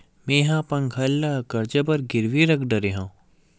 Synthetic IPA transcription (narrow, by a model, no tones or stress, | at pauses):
meːɦãpɐŋɡʱɐlːakɐɾd͡ʒabɐɾɡɪɾʋiɾɐkɖɐɾeɦãː